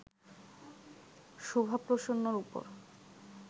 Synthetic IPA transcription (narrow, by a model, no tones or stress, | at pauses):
ʃobʱapɾoʃonːoɾupo̰ɾ